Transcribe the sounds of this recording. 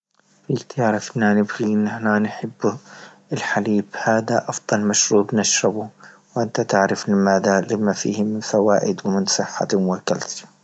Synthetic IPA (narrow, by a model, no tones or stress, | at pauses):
fit̪aʕɾˤɪfʔɪnanɪbɣiʔɪnːɪħnanħɪbː | ɪlħaliːbhaːðaʔɑfd̪ˤɑlmaʃɾuːbnaʃɾˤɑbu | wʔɪnt̪at̪ɪʕɾɪflɪmaːðalɪmafḭːhmɪnfawaːʔɪd̪wmɪnsˤɨħːa̰mʊwakːa̰lt̪